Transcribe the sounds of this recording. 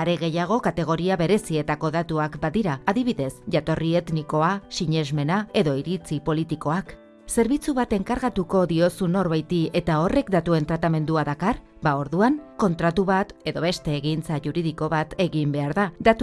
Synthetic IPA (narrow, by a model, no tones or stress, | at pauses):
aɾe̞ɣe̞jaɣ̞o̞kat̪e̞ɣ̞o̞ɾiaβe̞ɾe̞sie̞t̪ako̞ðat̪uakbaðiɾaːðiβiðe̞sʝat̪o̞rie̞t̪niko̞asiɲe̞zme̞nae̞ðo̞iɾit͡sipo̞lit̪iko̞ak | se̞ɾβit͡suβat̪e̞ŋkaɾɣat̪uko̞ðio̞suno̞ɾβajt̪ie̞t̪ao̞re̞kd̪at̪ue̞nt̪ɾat̪ame̞nd̪uaðakar | bao̞ɾðuaŋko̞nt̪ɾat̪uβat̪e̞ðo̞βe̞st̪e̞ːɣint͡saʝuɾiðiko̞βat̪e̞ɣimbe̞aɾðad̪at̪u